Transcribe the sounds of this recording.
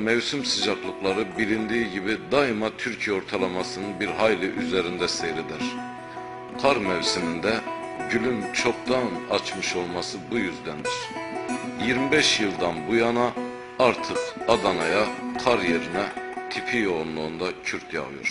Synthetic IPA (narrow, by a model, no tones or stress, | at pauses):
mɛvsymsɯd͡ʒaklˠɯklˠaɾɯbilind̪iːɟibid̪aimat̪ʰyɾcʰijɛo̞ɾt̪ʰalˠamasɯnɯnbiɾɦajlʲiʔyzeɾind̪ɛsejɾid̪ɛɾ̥ | kʰaɾmɛvsimind̪ɛɟylʲymt͡ʃʰo̞k̚t̪anat͡ʃmɯʃo̞lˠmasɯbujyzd̪ænd̪iɾ̥ | jiɾmibɛʃjɯlˠd̪anbujanaː | ɾt̪ʰɯkad̪anajakʰaɾje̞ɾinɛt̪ʰipʰijounlˠuːnd̪acʰyɾt̪ʰja̰ɣɯjo̰ɾ̥